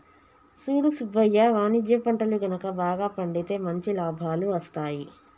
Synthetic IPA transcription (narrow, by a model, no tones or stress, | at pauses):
suːɽusubːɐjːɐʋaːnid͡ʒjɐpɐɳʈɐluɡɐnɐkɐbaːɡaːpɐɳɖit̪e̞ːmɐɲt͡ʃilaːbʱaːluʋɐst̪aːji